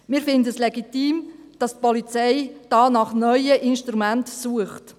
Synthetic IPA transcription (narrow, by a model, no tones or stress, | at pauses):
mɪːɾfɪndəslɛɡitiːm | d̥ɑst̚pɔlit͡sɛɪd̥ɑːnɑχnœʏəʔɪnʃtɾumæntsuəχt